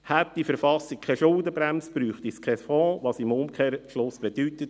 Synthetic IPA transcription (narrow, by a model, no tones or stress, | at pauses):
hæt̚d̪̥ifəɾfɑsik̚kʰɛʃʊldəbɾæmsb̥ɾyːχt̪iskʰɛfɔ̃ːʋɑsimʊmkʰeːɾʃlʊsb̥ɛd̥̪yt̪ət